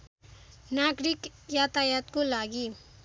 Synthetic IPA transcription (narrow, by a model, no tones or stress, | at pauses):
naɡɾikjat̪ajat̪kolaɡi